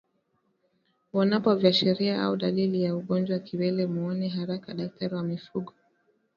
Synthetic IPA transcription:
wanapɔvjaʃɛɾiaa̰uɗalilijauɠɔnd͡ʒwaakiwɛlɛmuɔnɛɦaɾakaɗak̚tʰaɾiwamifuɠɔ

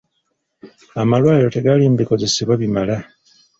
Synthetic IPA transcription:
amalwaːilo̞te̞ɡalimubiko̞ze̞siβwaβimala

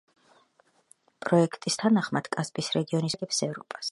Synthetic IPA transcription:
pʼɾɔɛkʰt̪ʼist̪ʰanaχmad̪̥kʼasbisɾɛɡiɔnisɡɛpsɛvɾɔpʼḁs

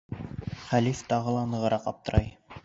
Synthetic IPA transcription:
χælift̪ɑʁɤlˠɑnɤ̆ʁɤ̆ɾɑqɑp̚t̪ɤ̆ɾɑj

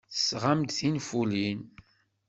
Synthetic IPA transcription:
θəsʁamd̪θinfulin

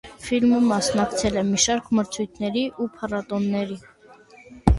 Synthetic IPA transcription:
filməmɑsnɑkt͡sʰɛlɛmiʃɑɾkʰməɾt͡sʰujt̪ʰnɛɾiʔupʰɑrɑt̪ɔnːɛɾi

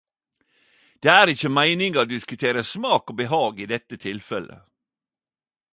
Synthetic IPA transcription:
d̪̥eːæːɾɪçəmæɪnɪŋəɾd̪ɪskʉt̪ʰeːɾəsmɑːkoːbəɦɑːɡiːd̪ɛt̪ːət̪ʰɪlfɛlə̰

